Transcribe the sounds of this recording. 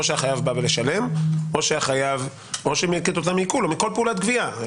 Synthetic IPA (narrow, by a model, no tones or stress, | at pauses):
oʃeaχajavbavele̞ʃale̞mo̞ʃeaχajav | o̞ʃemeaket̪o̞t̪amːikulomiko̞lpeulat̪̚ɡvia